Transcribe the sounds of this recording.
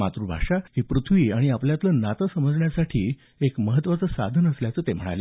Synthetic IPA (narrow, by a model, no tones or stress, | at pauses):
mat̪ɾubʱa̰ʂaɦiːpɾut̪ʰʋiːaɽ̃iapljat̪lənat̪əsəməd͡zɳjasaʈʰiː | ekməɦət̪ːʋat͡səːsa̰d̪ʱənəsljat͡səːt̪em̤əɽ̃a̰lja